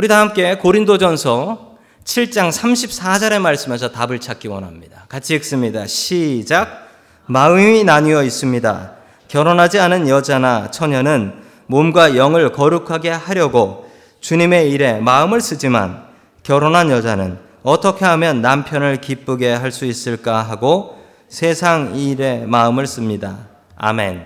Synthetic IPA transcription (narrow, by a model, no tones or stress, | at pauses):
uɾidahamk͈e̞koɾindod͡ʑʌnsʰʌ | t͡ɕʰiɭt͡ɕ͈aŋsʰamɕʰip̚s͈ad͡ʑʌɾe̞maɭs͈ɯme̞s̬ʰʌtabɯɭt͡ɕʰak͈iwʌ̰nɦamɲid̥akat͡ɕʰiːk̚s͈ɯmɲida̰ɕʰid͡ʑaɡ̚ | maɯminaɲiʌis͈ɯmɲida̰ | kjʌɾonɦad͡ʑianɯnjʌd͡ʑanat͡ɕʰʌɲʌnɯn | momɡwajʌŋɯɭkʌɾukʰaɡe̞haɾjʌɡo | t͡ɕuɲime̞iɾe̞maɯmɯɭs͈ɯd͡ʑima̰n | kjʌɾonɦanjʌd͡ʑanɯn | ʌt͈ʰʌkʰe̞ɦamjʌnːampʰjʌnɯɭkip͈uɡe̞ɦaɭs͈uis͈ɯɭk͈aɦaɡo | sʰe̞sʰaŋiɾe̞maɯmɯɭs͈ɯmɲida̰ | a̰me̞n